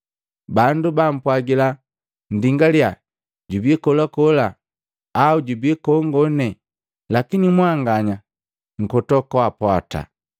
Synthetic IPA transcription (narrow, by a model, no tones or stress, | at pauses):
bandubam̩pwaɡila | n̩diŋɡalja | ɟubikɔlakɔlaː | uɟubikɔŋɡɔnɛ | lakinimwaŋɡaɲa | ŋ̩kɔtɔkɔwapwata̰